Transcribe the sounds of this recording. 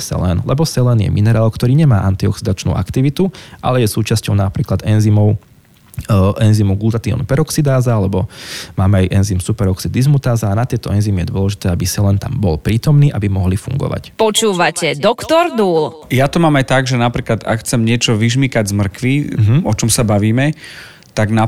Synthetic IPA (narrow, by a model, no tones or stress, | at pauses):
sɛ̰lɛ̰nlɛbɔsɛlɛnjɛ̰mʔinɛɾaːlkt̪ɔɾiːɲɛmaːʔant̪iɔksid̪at͡ʃnṵːʔa̰kt̪iʋit̪uʔa̰lɛjɛsuːt͡ʃascɔʊnapɾiːklad̪ɛnzimɔʊ | ʔɛnzimuɡult̪at̪iɔ̰npɛɾɔksid̪aːzaalɛbɔmaːmɛajʔɛnzimsupɛɾɔksid̪izmut̪aːzaːnat̪ɪɛt̪ɔɛnzimijɛd̪ʊɔlɛʒit̪ɛːabisalɛnt̪ambɔlpɾiːt̪ɔmniːʔabimɔɦlifṵŋɡɔ̰ʋa̰cpɔt͡ʃuːʋacɛd̪ɔkt̪ɔɾd̪uːl | jat̪ɔmaːmajt̪aɡʒɛnapɾiːklad̪a̰kxt͡sɛmɲɪɛt͡ʃɔʋiʒmikaɟzmr̩kʋiɔt͡ʃɔmsabaʋiːmɛ | t̪aɡna